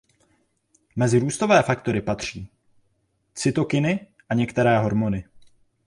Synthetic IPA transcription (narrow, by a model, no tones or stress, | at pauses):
mɛzɪɾuːst̪o̞vɛːfakt̪o̞ɾɪpat̪r̝̥iː | t͡sɪt̪o̞kɪnɪ | ʔaɲɛkt̪ɛɾɛːɦo̞ɾmo̞nɪ